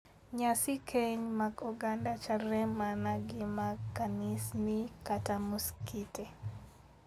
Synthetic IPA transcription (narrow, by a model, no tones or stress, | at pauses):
ɲasɪkʰeɲmaɡuɡandat͡ʃarɛmanaɡɪmakːanɪsnikatamuskite